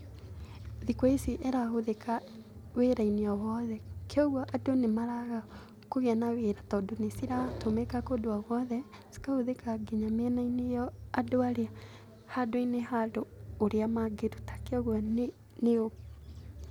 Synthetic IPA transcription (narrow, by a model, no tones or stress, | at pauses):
ðikɔesiʔɛɾahoðekaweɾainiɔwɔðɛkeɔɣwɔʔadonemaɾaɣa | koɣɛnaweɾatɔdonesiɾatomekakodoaɣwɔðɛ | si̥kahoðekaɡeɲamɛnainejɔadoaɾea | hadoinehadoːɾeamaɡeɾutḁkeɔɣwɔne | neo